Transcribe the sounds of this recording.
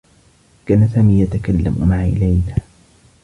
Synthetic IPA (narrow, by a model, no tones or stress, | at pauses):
kaːnasaːmiːjat̪akalːa̰mmaʕaʔɪ̰lajnaː